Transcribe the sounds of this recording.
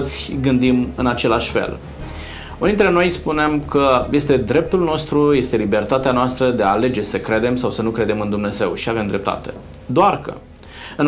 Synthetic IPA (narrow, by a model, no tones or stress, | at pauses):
t̪sʲɡɨnd̪imɨnat͡ʃe̞laʃʲfḛl | unint̪ɾeno̞jspunemkəje̞st̪e̞d̪ɾe̞p̚t̪ulno̞st̪ɾuje̞st̪e̞libe̞rt̪at̪eanoast̪ɾəd̪e̞aːle̞d͡ʒe̞səkɾe̞d̪e̞msawsənukɾe̞d̪e̞mɨnd̪umne̞ze̞wʃiave̞md̪ɾe̞p̚t̪a̰t̪e̞̥̰ | d̪oarkə̰ | ɨn